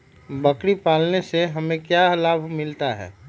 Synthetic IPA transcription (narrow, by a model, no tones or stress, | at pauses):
bəkɽipaːlneseɦɐmẽkjalaːbʱmɪlt̪aɦɛ̰ː